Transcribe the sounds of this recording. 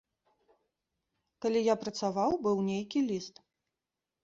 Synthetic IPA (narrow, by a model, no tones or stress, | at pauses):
kalʲijapɾɐt̪savawbɨwnʲejkʲilʲist̪